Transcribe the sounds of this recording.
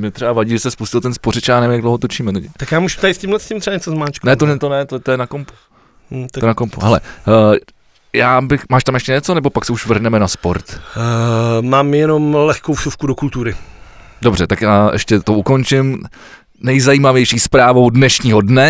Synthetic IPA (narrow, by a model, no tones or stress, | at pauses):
mɛt̪r̥ɛbavaɟiːʒɛsɛspuscɪlt̪ɛnspoɾɪt͡ʃaːnɛːmɪjaɡdlowɦot̪o̞t͡ʃiːmɛt̪ɛɟt̪akjaːmuʃt̪ajɪscɪmlɛscɪmt̪r̥ɛbaɲɛt͡sozmaːt͡ʃknɛt̪oɛt̪onɛt̪ot̪ojɛnakompu̥ | ojɛnakompṵɦɛlɛ̰ | jaːbɪxmaːʃt̪amjɛʃcɛɲɛt͡sonɛbo̞paksɛuʃvr̩ɦnɛmɛnaspoɾt̪ | maːmjɛnomlɛxkowʃufkudokult̪uɾɪ | do̞brɛt̪akjaːʔɛ̰ʃcɛt̪ouko̞nt͡ʃɪm | nɛjzajiːmavjɛjʃiːspɾaːvo̞wdnɛʃɲiːɦo̞dnɛ